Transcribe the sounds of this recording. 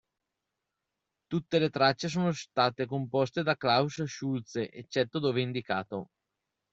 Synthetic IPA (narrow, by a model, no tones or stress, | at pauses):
t̪ut̪ːelet̪ɾat͡ʃːes̬oːnost̪aːt̪ekompost̪ed̪aklawsʃult̪seʔet͡ʃːɛt̪ːod̪oːveind̪ikaːt̪o